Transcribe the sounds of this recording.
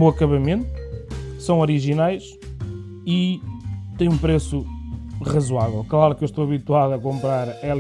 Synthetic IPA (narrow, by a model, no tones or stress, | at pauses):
boɐkɐβɐmẽnt̪u̥sɐ̃w̃ɔɾiʒinajʃ | i | t̪ẽj̃ũpɾesuʁɐzwavɛlˠklˠaɾukewʃt̪oɐβit̪waðɐkõmpɾaɾɛl